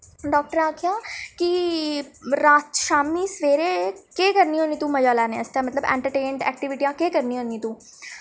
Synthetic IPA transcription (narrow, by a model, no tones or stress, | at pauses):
ɖɔːk̚ʈəɾaːkʰjaːki | ɾaːtʃaːmnisʋeːɾekekɐɾniɦoːnĩt̪ũmɐd͡ʒaːlaːneɐst̪ãmɐt̪ləbɛ̰̃ːɳʈəɾʈeːɳɖɛ̰ːk̚ʈiʋɪʈijãkekɐɾniɦõːnĩt̪ũː